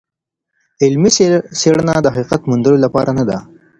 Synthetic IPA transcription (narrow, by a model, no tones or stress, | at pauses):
ɪlmisseɽnad̪əɦaqiqat̪mʊnd̪əlolapɑɾʔanad̪a